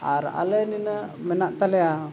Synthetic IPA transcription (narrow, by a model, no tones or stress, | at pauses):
a̰ɾa̰ləninəmɛnaʔt̪alea